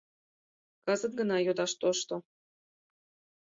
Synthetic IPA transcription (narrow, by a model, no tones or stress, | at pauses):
kɑzɤ̆t̪̚ɡə̆nɑjod̪ɑʃt̪oʃt̪o